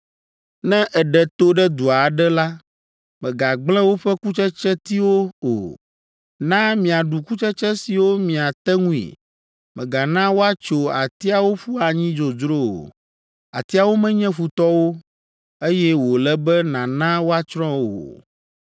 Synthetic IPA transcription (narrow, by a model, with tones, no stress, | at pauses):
nɛ̃˦ʔɛ˨ɖɛ˨t̪o˦ɖɛ˦d̪u˨a˨ɖɛ˦la˦ | mɛ̃˨ɡa˨ɡ͡blɛ̃˦wo˦ɸɛ˦ku˦t͡ʃɛ˦t͡ʃɛ˦t̪i˦wo˦o̰˨ | nã˦mĩ˨a˨ɖu˨ku˦t͡ʃɛ˦t͡ʃɛ˦si˨wo˦mĩ˨a˨t̪ɛ˦ŋũ˦ḭ˨ | mɛ̃˨ɡa˨nã˦wo˦a˦t͡ʃo˨a˨t̪i˦a˨wo˦ɸu˦a˨ɲĩ˦d͡ʒo˨d͡ʒɾo˦o̰˨ | a̰˨t̪i˦a˨wo˦mɛ̃˦ɲɛ̃˦ɸu˨t̪ɔ˦wo˦ | e˦jɛ˦wo˨lɛ˦bɛ˦nã˨nã˦wo˦a˦t͡ʃɾɔ̃˦o̰˨